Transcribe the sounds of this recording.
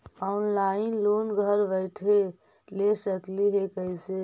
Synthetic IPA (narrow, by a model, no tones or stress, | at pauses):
ɔnlainlonɡʱəɾbəɪʈʰɦe | lesəkliɦekəise